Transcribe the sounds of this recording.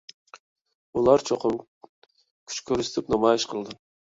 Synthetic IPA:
ulˠɑɾt͡ʃʰoqʰʊm | kʲʰy̥t͡ʃkʲʰøɾyst̪ʰɪpnɑmɑjɪʃqʰəlˠd̪ɨ

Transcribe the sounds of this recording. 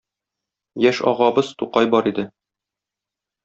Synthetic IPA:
jæʃɒ̰ʁɑbɤz̥t̪uqɑjbɒɾid̪ɘ

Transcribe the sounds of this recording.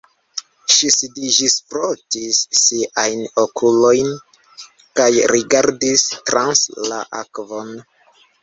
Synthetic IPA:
ʃisidid͡ʒispɾotisːiʔajnokʰulo̞jn | kajɾiɡaɾdistɾansla̰ʔa̰kvon

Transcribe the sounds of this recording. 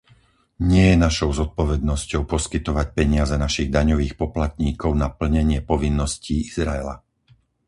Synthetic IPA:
ɲɪɛjɛnaʃɔʊzɔt̪̚pɔʋɛd̪nɔscɔʊpɔskit̪ɔʋac̚pɛɲɪazɛnaʃiɣd̪aɲɔʋiːxpɔplat̪ɲiːkɔʊnapl̩ɲɛɲɪɛpɔʋinːɔsciːizɾaɛla̰

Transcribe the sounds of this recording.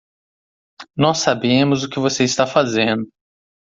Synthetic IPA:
nɔsabẽmʊzʊkɪvoseɪst̪afazẽnd̪ʊ

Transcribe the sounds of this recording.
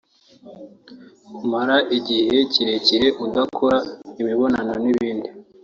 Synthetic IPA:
umaɾaʔiɟihe̞ciɾeciɾe̞ʔudakʰoɾaimiβo̞nanoniβiːndi

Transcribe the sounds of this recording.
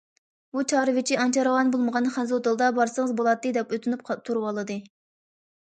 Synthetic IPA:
ut͡ʃʰɑɾɨvɪt͡ʃʰiɑnt͡ʃʰɑɾwɑnbolˠməʁɑnχæzot̪ɨlˠd̪ɑbɑɾsəŋəzbolˠɑt̪ːɨd̪ɛpøt̪ʰynyp̚ʰt̪ʰuɾwɑlˠɨd̪ɨ

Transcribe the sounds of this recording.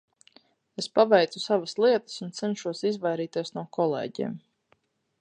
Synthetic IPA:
espavɛjt̪susavəslˠiɛt̪ə̥sunt̪sɛnʃuɔsizvajɾiːt̪iɛsnuɔkʰɔlˠḛːɟḭːm

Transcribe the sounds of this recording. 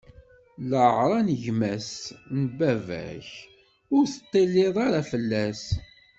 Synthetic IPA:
ləʕɾˤɑnəʝmæsnbævæ̰ç | ʊɾθə̥t̪ˤːilːɪðˤaɾafəlːæs

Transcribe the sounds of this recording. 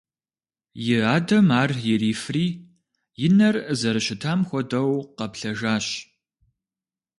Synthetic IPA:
jɪaːdɐmaːrjɪɾiːfriː | jɪnɐrzɐɾɨɕɪtʰaːmxʷɔdɐwqɐpɬɐʒaːɕ

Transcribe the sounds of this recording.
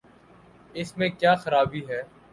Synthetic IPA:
ɪsmẽkjaːxəɾaːbiːɦɛː

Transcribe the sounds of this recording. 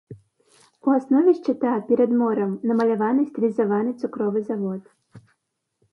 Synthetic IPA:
uasnɔvʲiʃt͡ʃɪt̪apʲɛɾɛd̪mɔɾɐmnɐmɐlʲaʋanɨsʲt̪ʲlʲizavanɨt̪sʊkɾɔvɨzaʋɔt̪

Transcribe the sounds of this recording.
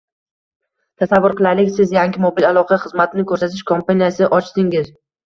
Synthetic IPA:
t̪ʰasavːʊɾqʰɨlˠalɪkʲsɪzjaŋɡʲɪmobilalˠɒqʰɑχɨzmat̪ʰɪnɪkʰɵɾsat̪ʰɪʃkʰompanijasɪʔɒt͡ʃd̪ɪŋɪz

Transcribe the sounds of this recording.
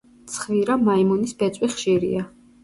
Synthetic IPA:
t̪sʰχviɾamaimɔnisbɛt̪sʼwiχʃiɾḭa

